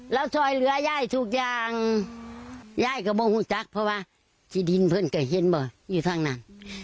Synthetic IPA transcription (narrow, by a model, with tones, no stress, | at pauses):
lɛː˧˥˨wsʰɔː˧˩jlɯ˨˦ɐjaː˧˥˨jt̪ʰu˧k̚jaː˧ŋ | jaː˧˥˩jka˧˩bɔː˧˦huː˧˩˨t͡ɕa˧˦k̚pʰɔ˧waː˧˨ | tʰiː˧˦di˨˦npʰɤ˧˨nka˧˩ɦe˧˦nbɔː˨˩˦juː˧˩t̪ʰaː˧˩˨ŋnaː˧˩˨n